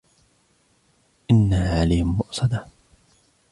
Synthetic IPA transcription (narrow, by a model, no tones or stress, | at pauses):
ʔɪnːaʕalijhmːʊʔsˤɑd̪a